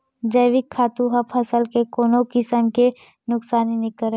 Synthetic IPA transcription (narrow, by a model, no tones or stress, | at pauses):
d͡ʒəjʋɪkʰːaːt̪ũɦɐpʰɐsəlkekoːnõkɪsəmke | nʊksaːninɪkəɾe